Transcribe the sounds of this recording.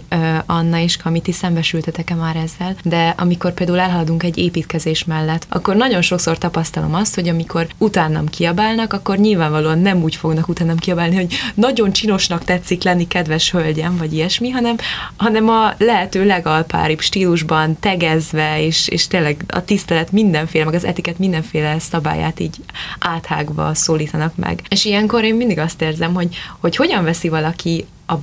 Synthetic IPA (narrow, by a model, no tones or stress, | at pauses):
ɒnːɒeːʃkʰɒmit̪isɛmbɛʃylt̪ɛt̪ɛkɛmaːɾɛzːɛld̪ɛʔɒ̰miko̞rpeːld̪aːulɛlɦɒlɒd̪uŋkɛɟːeːpiːt̪kɛzeːʃmɛlːɛt̪ːɒ̰kːo̞rnɒɟo̞nʃo̞kso̞rt̪ɒpɒst̪ɒlo̞̰mɒst̪ho̞ɟɒmiko̞rut̪aːnːɒ̰mkiɒbaːlnɒkɒkːo̞rɲiːlvaːɱvɒloːɒnːɛmuːcfo̞ɡnɒkut̪aːnːɒmkiɒbaːlniɦo̞ɟnɒɟo̞nt͡ʃino̞ʃnɒkt̪ɛt̪sːiklɛnːikɛd̪vɛʃhølɟɛɱvɒɟijɛʃmiɦɒnɛmɦɒnɛmɒlɛɦɛt̪øːlɛɡɒlpa̰ːɾibʃt̪iːluʒbɒnt̪ɛɡɛzvɛeːʃḛːʃt̪eːnlɛɡɒ̰t̪ist̪ɛlɛt̪mind̪ɛɱfeːlɛmɛɡɒzɛ̰t̪ikɛt̪mind̪ɛɱfeːlɛsɒba̰ːja̰ːt̪iːɟʔaːt̪ha̰ːɡvɒ̰soːliːt̪ɒnɒkmɛ̰ɡeːʃijɛŋkoɾeːmmind̪iɡɒst̪eːrzɛmɦo̞ɟho̞cho̞ɟɒɱvɛsivɒlɒki | ɒ